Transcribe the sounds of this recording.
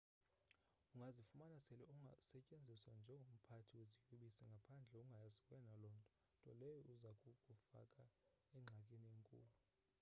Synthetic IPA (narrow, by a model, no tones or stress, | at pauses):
uŋɡʱazifumanasɛlɛuŋʱasɛcʼend͡zʱiswand͡ʒʱɛŋɡʱom̩pʰatʰiwezikʼuɓisɛŋɡʱapʰand͡ɮʱɛuŋɡʱajazikʼwɛnalɔːntʼɔ | tʼɔ̰lɛjɔuzakʼukʼufa̰kʼa | ɛŋ͡ǁʱakʼinieŋkʼṵːlu